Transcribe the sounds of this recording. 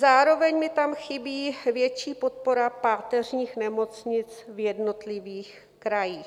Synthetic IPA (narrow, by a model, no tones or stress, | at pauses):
zaːɾo̞vɛɲmɪt̪amxɪbiːvjɛt͡ʃiːpo̞t̪̚po̞ɾapaːt̪ɛrɲiːxnɛmo̞t͡sɲɪt͡svjɛdno̞t̪lɪviːx | kɾajiː